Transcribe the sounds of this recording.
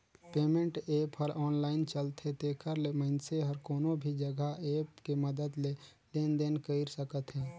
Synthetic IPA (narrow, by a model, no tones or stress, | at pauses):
peːmẽɳʈeːpɔɾɔːnlaːɪnt͡ʃəlt̪ɦɛt̪eːkʰəɾleməɪnseɦəɾkoːnobʱid͡ʒəɡʱaeːpkeməd̪əd̪le | leːnd̪eːnkəɪɾsəkət̪ɦɛː